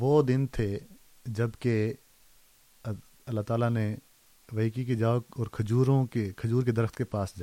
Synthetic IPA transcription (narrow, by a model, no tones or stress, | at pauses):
ʋod̪ɪnt̪ʰe | d͡ʒɐbke | ɐlːaɦt̪aːlane | ʋɐiːkiked͡ʒaːɔːɾkʰɐd͡ʒuːɾõkekʰɐd͡ʒuːɾked̪ɐɾəxt̪kepaːsd͡ʒaː